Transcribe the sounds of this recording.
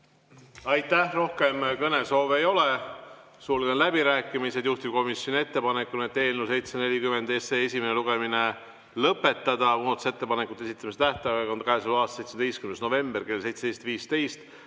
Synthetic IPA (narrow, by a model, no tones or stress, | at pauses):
ɑjt̪ːæhro̞hke̞mkɤne̞so̞ːvejo̞le̞ | suːlɡenlæbiɾæːkːˑimise̞d̪juht̪ib̥̚ko̞misjo̞nʲie̞t̪ːe̞pɑne̞kːˑunet̪ːe̞ːlnusejt̪sene̞lʲikymend̪eseesimneluɡ̥e̞mine̞ | lɤpːe̞t̪ːˑɑd̪̥ɑmuːt̪use̞t̪ːe̞pɑnekːˑut̪ːˑeesit̪ːˑɑmiset̪æht̪ɑɑɑnd̪kæesulɑːst̪se̞jt̪sed̪̥ijst̪kymnsno̞ve̞mb̥e̞rke̞lse̞jt̪se̥ejst̪viːst̪e̞jst̪